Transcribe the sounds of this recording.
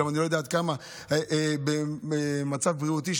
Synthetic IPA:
amanilojed̪aːt̪̚kama | ʔbeemat͡savbʁiut̪iʃ

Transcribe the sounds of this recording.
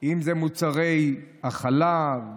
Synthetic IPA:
imzemut͡saʁejaχalav

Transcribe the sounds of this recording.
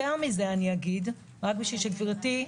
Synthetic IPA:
eʁmize̞aniaɡid | ʁak̚biʃilʃeviʁati

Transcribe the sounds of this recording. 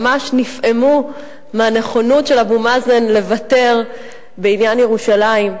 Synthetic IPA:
maʃnifʔe̞mu | meane̞χo̞notʃe̞labumazenle̞vate̞ʁ | be̞injanjeʁuʃalaim

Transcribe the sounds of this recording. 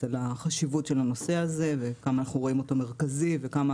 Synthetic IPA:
alaχaʃivutʃe̞lano̞se̞aze̞vekamaːnaχnuʁo̞imo̞to̞me̞ʁ̞kazive̞kama

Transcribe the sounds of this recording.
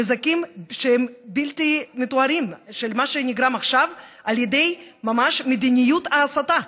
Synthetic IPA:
ezakimʃeɛmbilt̪imet̪oaɾimʃelmaʃenʲiɡɾamaχʃav | aljed̪ejmamaʃmed̪inʲijut̪aːsat̪a

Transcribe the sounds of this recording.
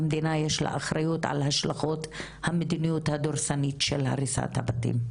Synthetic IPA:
md̪inajeʃla̰ʔaχɾajut̪ʕa̰lhaʃlaχot̪ | hamed̪inijut̪had̪oɾʃanitʃelha̰ɾisa̰t̪ha̰bat̪ḭm

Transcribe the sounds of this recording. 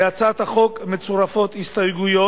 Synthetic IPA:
at͡sat̪haχo̞kmet͡suɾafo̞t̪hist̪ajɡujo̞

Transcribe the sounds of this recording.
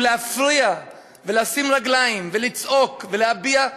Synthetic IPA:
leafʁia | velasimʁaɡlajimvelit͡so̞kvelehabia

